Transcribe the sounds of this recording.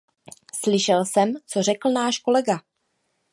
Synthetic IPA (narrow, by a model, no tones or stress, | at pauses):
slɪʃɛlsɛmt͡so̞rɛkl̩naːʃko̞lɛɡa